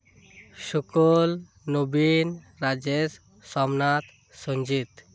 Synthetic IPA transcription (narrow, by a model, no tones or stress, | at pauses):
ʃukol | nobin | ɾad͡ʒes | sɔmnat̪ | soɲd͡ʒit̪